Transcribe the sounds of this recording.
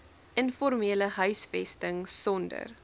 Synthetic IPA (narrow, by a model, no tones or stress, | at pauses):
ʔənfɔrmiːləɦœɥsfɛstəŋsɔndə̰r